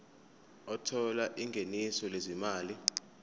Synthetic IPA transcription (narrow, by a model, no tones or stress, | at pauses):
ɔtʰɔlaʔiŋɡʱenisɔlezimaːli